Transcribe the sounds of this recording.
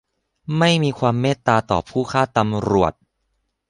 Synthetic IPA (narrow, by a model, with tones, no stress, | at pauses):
ma˥˩jmiː˧kʰwaː˧mːeː˥˩t̪ːaː˧t̪ɔː˨˩pʰuː˥˩kʰaː˥˩t̪a˧mɾu˨˩ət̪̚